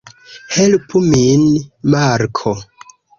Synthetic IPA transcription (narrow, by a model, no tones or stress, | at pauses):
helpʰuminmaɾkʰo